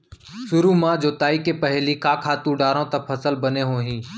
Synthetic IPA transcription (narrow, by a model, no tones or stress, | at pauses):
sʊɾuːmãːd͡ʒoːt̪aːiːkeːpəɦliːkaːkʰaːt̪ũːɖaːɾõːt̪əpʰəsəlbəneːɦõːɦĩː